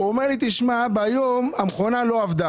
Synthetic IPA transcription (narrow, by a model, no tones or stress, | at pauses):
omeʁlit̪iʃmabajomamχonalo̞avd̪a